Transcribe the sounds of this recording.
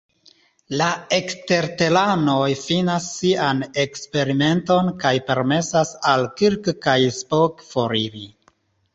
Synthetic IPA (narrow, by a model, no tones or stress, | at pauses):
laekste̞ɾte̞lano̞jfinasːiane̞kspe̞ɾime̞nto̞nkajpe̞ɾme̞sasalkiɾkkajspokfo̞ɾiɾi